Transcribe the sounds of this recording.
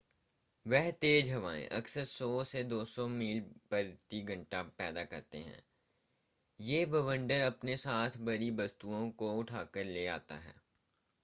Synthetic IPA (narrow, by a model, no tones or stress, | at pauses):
ʋɛɦt̪eːd͡ʒɦɐʋaːḛ̃ʔɐksəɾsɔːsed̪oːsɔmiːlpɐɾt̪iɡʱɐ̃ɳʈapɛːd̪akɐɾt̪ḛɦɛ̰̃ː | jeːbɐʋə̃ɳɖəɾɐpnesaːt̪ʰbɐɾibɐst̪uõkoʊʈʰaːkəɾleːa̰ːt̪a̰ɦɛ̰ː